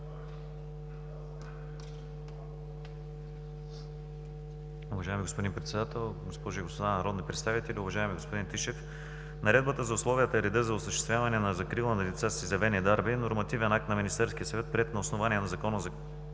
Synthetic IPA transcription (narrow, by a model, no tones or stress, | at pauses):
ʊvɐʒajɛmiɡospʊd̪inpɾɛt̪sɛd̪at̪ɛlˠɡospɔʒʊiɡospod̪annɐɾɔd̪nipɾɛt̪st̪avit̪ɛlʲiʊvɐʒaɛmiɡospod̪int̪iʃɛf | nɐɾɛd̪̚bət̪əzɐʊslˠɔvijət̪əɛɾɛd̪ɤzɐʊsəʃt̪ɛst̪vʲjavɐnɛnɐzɐkɾilˠənɐlit̪sasizɐvɛniɛd̪aɾbinoɾmɐt̪ivɛnak̚t̪nɐminist̪ɛɾskʲiəsɐvɛt̪̚pɾɛt̪nɐʊsnovaniɛnɐzɐkɔnəzɐ